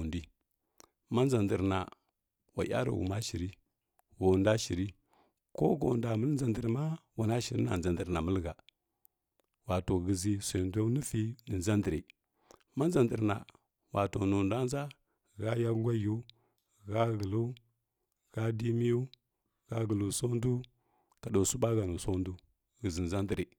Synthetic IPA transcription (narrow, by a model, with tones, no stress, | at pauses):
ndi˦ | ma˦nza˨ndi˨ɾna˨ | wa̰˨ja̰˦ɾa̰˨ɣṵ˨ma˦ʃi˨ɾi˦ | ɡo˨nda˦ʃi˨ɾi˦ | ko˦ɡo̰˨nda˨mə˦lnza˨ndə˨ɾma˦wa˨na˦ʃi˨ɾi˦na̰˨nza˨ndə˨ɾna˨mə˦lɣa˨ | wa˨to˨ɣə˨zi˦se˨nda˦ni˦fi˦nə˨nza˦ndi˨ɾi˨ | ma˦nza˨ndi˨ɾna̰˨ | wʔa˨to˨nu˨nda˦n˦za˦˨ | ɣa˦ja˦ɡʷa˦ju˦ | ɣa˦ɣə˨lu˦ | ɣ̥a˦di˦mi˦ju˦ | ɣa˦ɣə˨lu˨so˦ndu˦ | ka˨do˨su˦ɓa˦ɡa˨nu˨so˦ndu˦ | ɣə˨zi˨n˨za˦ndi˨ɾi˨